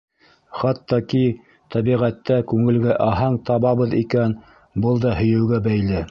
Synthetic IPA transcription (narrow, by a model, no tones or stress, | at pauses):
χɑt̪ːɑki | t̪æβiʁæt̪ːækʉŋɘ̆lɡæʔɑɦɑɴt̪ɑβɑβɤðikæn | bɤlˠd̪ɑhɵ̆jɘ̆wɡæbæjlɘ